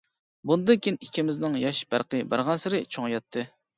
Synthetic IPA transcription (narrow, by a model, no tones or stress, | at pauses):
bund̪ɨnkʲʰinikʲʰimɪznɪŋjɑʃb̥æ̰ɾqɨbæ̰ɾʁɑnsɨɾɨt͡ʃʰoŋjɑt̪ʰːɨ